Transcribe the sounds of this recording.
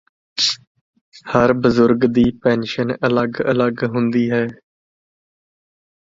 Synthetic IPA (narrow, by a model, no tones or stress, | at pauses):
həɾbʊzʊɾɡd̪iːpɛːnʃənələɡələɡɦʊ̃nd̪iːɦɛː